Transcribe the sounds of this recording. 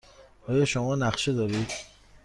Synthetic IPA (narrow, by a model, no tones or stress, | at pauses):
ɒːjɒʃomɒːnæxʃed̪ɒːɾiːd̪